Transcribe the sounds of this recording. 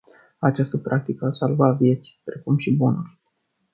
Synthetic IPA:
at͡ʃast̪əpɾʔak̚t̪ikəasalvavje̞t̪si̥pɾe̞kumʃibunurʲ

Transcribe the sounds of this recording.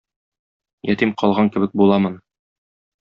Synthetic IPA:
jɒt̪imqɒlˠʁɑŋkɘ̆bɘk̚bulˠɑmɤn

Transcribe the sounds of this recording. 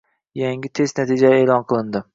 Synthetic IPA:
jaŋʲɪt̪ʰe̞znat̪ʰid͡ʒaeːlˠɒnqʰɨlˠɪnd̪ɪ

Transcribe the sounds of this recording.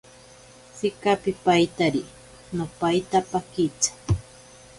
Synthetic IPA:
t͡sɪkapɪpajt̪aɾi | nopajt̪apakɪt͡sḁ

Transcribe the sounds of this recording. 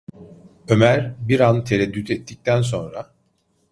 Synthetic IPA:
ø̞mæɾbiɾant̪ʰe̞ɾɛd̪ːyt̪ʰɛt̪ʰːic̚t̪ʰæns̬o̞nɾa

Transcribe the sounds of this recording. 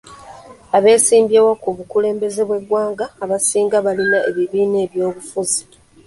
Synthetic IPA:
aβe̞ːsiːmbjewokuβukule̞ːmbe̞ze̞βwe̞ɡwaːŋɡaːβasiːŋɡaβalinaʔeβiβiːne̞ːβjo̞ːβufuzi

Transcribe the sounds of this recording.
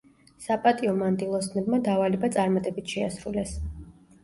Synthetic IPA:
sapʼat̪ʼiɔmand̪ʼilˠɔsnɛbmad̪avalibat̪sʼaɾmat̪ʼɛbit̪ʰʃɛasɾulɛs

